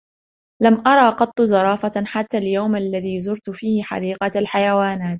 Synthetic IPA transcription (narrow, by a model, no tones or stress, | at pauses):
lamʔɑɾˤɑːqɑt̪ˤːzɑɾˤɑːfaħat̪ːaːljawmʔalːaðiːzʊɾt̪fiːhɪħɑ̰d̪iːqɑalħajawaːnaːt̪